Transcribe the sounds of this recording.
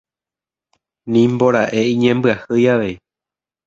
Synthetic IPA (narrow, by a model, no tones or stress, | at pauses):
nĩmbo̞ɾaʔe̞ĩɲẽmbɨahɨjaʋe̞j